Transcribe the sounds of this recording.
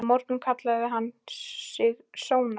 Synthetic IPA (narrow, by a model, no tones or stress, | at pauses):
mɔɾt̪nʏmkʰat̪laðɪɦanːsɪɣsoːwna